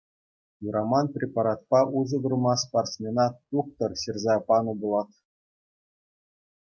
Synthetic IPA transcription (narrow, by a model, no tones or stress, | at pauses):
juɾʔɑmɑnprʲepɑɾɑt̪̚pɑʔuʐɤ̆d̪ŭrmɑsparsmʲenɑt̪t̪uk̚t̪ɤ̆rɕirʲzɑpɑnubulˠɑt̪